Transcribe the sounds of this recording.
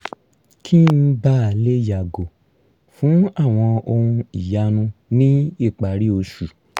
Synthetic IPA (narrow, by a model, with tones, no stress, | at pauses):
kʰi˦n̩˦ba˦a˨le˦ja˨ɡo˨ | fũ˨˦a˦˨w̃ɔ̃˧o˧ɾũ˧i˨ja˧˦nũ˧nĩ˦i˦˨k͡pa˨˦ɾi˦o˧ʃu˨